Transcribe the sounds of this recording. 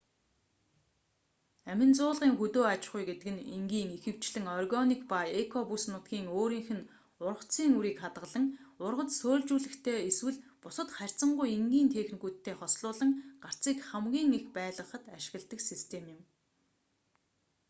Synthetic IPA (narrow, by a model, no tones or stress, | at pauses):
æmʲɪ̆nt͡sʊːɮʁiːŋxut̪oːat͡ɕχʊjɡet̪ɘ̆ɘ̆niŋɡiːŋixɘ̆w̥t͡ɕɮɘ̆ŋɔrɣɔnikpajekʰɔpusnʊt̪̚ɡiːŋoːɾiːŋxɘ̆n | ʊrə̆χt͡siːŋuɾiːkχat̪ʁə̆ɮə̆ŋʊrʁə̆t͡ssoːɮt͡ɕuːɮɘ̆xt̪ʰeːeswɘ̆ɮpʊsə̆t̪χær̥ʲt͡sə̆ɴɢʊjiŋɡʲiːnt̪ʰeːxnɣuːt̪ʰːeːχɔsɮʊːɮə̆ŋɢ̥ar̥t͡siːkχamɡʲiːŋixpæːɮʁə̆χə̆t̪aʃɪ̆ɣə̆ɮt̪ə̆ksist̪ʰemjɪ̆m